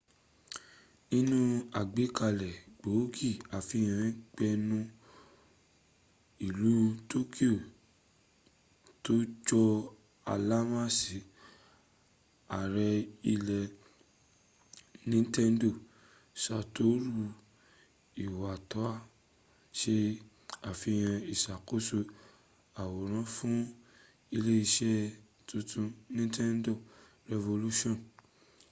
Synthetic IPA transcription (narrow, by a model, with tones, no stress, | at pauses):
i˧nũ˦a˨ɡ͡be˨˦ka˧˨lɛ˨ɡ͡bo˨˦ɡi˦˨a˨fĩ˧˦˨ã˨˦k͡pɛ˧nũ˦ | i˨lu˨˦to˦kʰi˦o˦˨ | to˦d͡ʒɔ˧ | a˨la˦mã˦˨si˨˦ | a˨ɾɛ˧i˧lɛ˧ | nĩ˦tɛ˦n˦do˦˨ | sa˧to˦ɾu˧ | i˨wa˨tɔ˨˦a˦˨ | ʃe˦ | a˨fi˧j̃ã˧i˨ʃa˨ko˦so˧ | a˨wo˨ɾ̃ã˦fũ˦ | i˧le˦i˧ʃɛ˦ | tʰũ˧tʰũ˧nĩ˦tʰɛ˦n˦do˦˨ | ɾɛ˧vo˧lu˦ʃɔ̃˦˨